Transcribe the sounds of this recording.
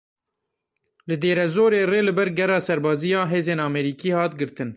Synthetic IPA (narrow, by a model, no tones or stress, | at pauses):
lɨd̪eːɾɛzoːɾeːreːlɨbɛɾɡɛrɑːsɛɾbɑːzijɑːɦeːzeːnɑːmɛɾiːkiːhɑːt̪ɡɨɾt̪ɨn